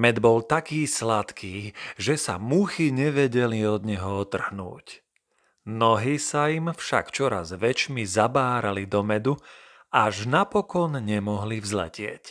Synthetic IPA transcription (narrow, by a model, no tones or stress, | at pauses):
mɛd̪bɔlt̪akiːslat̪kiːʒɛsa̰muxiɲɛʋɛɟɛliɔd̪ɲɛɦɔɔt̪r̩ɦnṵːc | nɔɦisaimfʃa̰kt͡ʃɔɾa̰zʋɛt͡ʃmizabaːɾalid̪ɔmɛd̪u | aʒnapɔkɔnɲɛmɔɦlivzlɛ̰cɪɛ̰c